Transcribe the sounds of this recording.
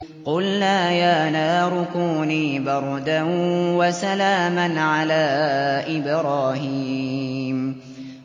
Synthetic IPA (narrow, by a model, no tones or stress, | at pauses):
qʊlnaːjaːnaːɾˤʊkuːniːbɑɾˤd̪anwasalaːmanʕalaːʔɪbɾaːhi | m